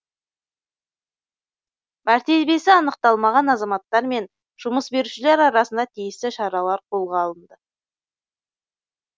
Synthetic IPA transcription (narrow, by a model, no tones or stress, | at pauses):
mæɾt̪e̞be̞sɪɑnəqt̪ɑlˠmɑʁɑnɑzɑmɑt̪ːɑɾme̞n | ʒ̥ʊməsbe̞ɾuʃɪle̞ɾɑɾɑsənd̪ɑt̪ʰijɪst̪ɪʃɑɾɑlˠɑɾqʰo̞lˠʁɑːlˠənd̪ə